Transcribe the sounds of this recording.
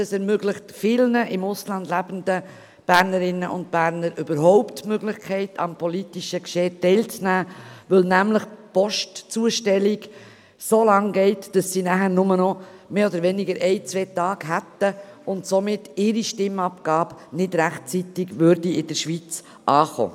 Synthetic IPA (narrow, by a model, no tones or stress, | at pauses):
d̥ɑsɛɾmøɡlɪχtfɪlnəʔɪmʊslɑnd̥̪læb̥ən̩d̪ə | b̥æɾnəɾɪnːəʔʊ̰ntb̥æɾnəɾʔʏb̥əɾɦɔʊptmøɡlɪχkʰɛɪtʰɑ̰mpʰɔlitiʃəkʃɛːtɛɪlt͡snæːʋʏlnæmləχpɔʃtt͡suəʃtɛliɡ | soːlɑŋɡɛɪtd̥ɑsːinæχəɾnʊmənɔmeːɔd̪əɾʋɛnɪɡəɾʔɛɪt͡sʋeːtɑːɡ̥ɦæt̪əʊntsomɪtɪɾiʃtɪmɑpɡ̥ɑːbnɪdɾæχtt͡sitɪɡʋøɾdiɪd̥əɾʃʋit͡s | ʔɑːχo̰ː